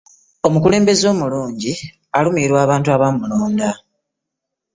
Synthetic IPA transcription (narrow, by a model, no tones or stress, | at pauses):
o̞mukule̞ːmbe̞zo̞ːmuluːɲɟi | alumiːɾwaːβaːntuaβamuloːnda